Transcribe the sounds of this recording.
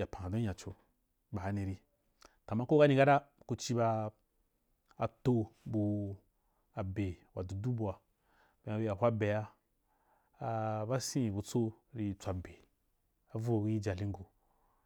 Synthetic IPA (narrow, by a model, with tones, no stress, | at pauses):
ja˨pã˨a˨dã˨t͡ʃo˧ | ba˨˦nĩ˧ɾi˧ | ta˨mã˦ko˦ɡa˦nĩ˧ɡa˦da˦ku˧t͡ʃi˧ba˧ | a˨to˧bu˧ | a˨be˨wa˨du˨du˦bu˨a˨ | b̥ẽ˨˦a˨˦bi˧ja˨ɦʷa˦be˨ja˦˧ | ba˦sĩ˦˨bu˧t͡so˦ɾi˧t͡sʷa˧be˨ | a˨vu˦˨ɡu˦i˦d͡ʒa˨li˦ŋ˦ɡu˨